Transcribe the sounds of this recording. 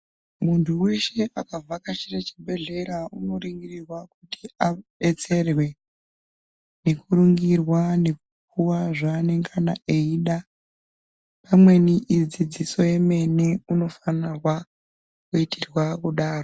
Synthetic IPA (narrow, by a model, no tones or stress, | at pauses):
muntʰuwe̞ʃe̞ʔakavʱakat͡ʃiret͡ʃibʱe̞ɮe̞ɾauno̞ɾiŋɡirirwakuti̥aɓe̞t͡se̞rwe̞ | ne̞kuɾuŋɡirwane̞k̚ukuwaʐaːne̞ŋɡana̰ʔeiːɗa | pamwe̞niid͡zid͡ziso̞je̞me̞niuno̞fanirwa | kuitirwakuɗaːro